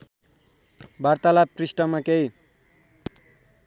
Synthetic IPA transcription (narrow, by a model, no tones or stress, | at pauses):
baɾt̪alaprisʈʌmakej